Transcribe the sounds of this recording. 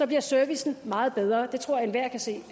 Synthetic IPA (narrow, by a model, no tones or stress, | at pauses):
sɒ̽b̥liɐsøɐʋisn̩mɑ̈ːð̩ˠb̥eð̞ˠʁɐːd̥e̝t͡sʰʁo̝ɐ̰enʋæɐ̰kʰæse̝̰ː